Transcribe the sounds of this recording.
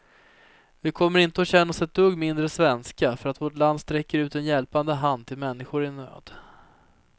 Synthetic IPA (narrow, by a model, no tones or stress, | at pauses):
vɪkʰɔmːəɾɪnt̪əɔɕɛnːasɛt̪ʰːɵɡmɪnd̪ɾəsvɛnskafœɾat̪voːʈland̪st̪ɾɛkːəɾʉ̟ːt̪ɛnjɛlpand̪əɦand̪̚t̪ʰɪlmɛnːɪɧʊɾɪnø̰ːd̪̥